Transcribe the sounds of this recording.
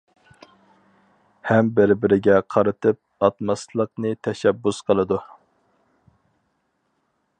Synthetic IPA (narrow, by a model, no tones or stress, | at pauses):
hɛmbɪɾbɪɾɪɡʲɛqʰɑɾɨt̪ʰɨp̚ɑt̪mɑslˠəqnɨt̪ʰɛʃɛbːusqʰəlˠɨd̪u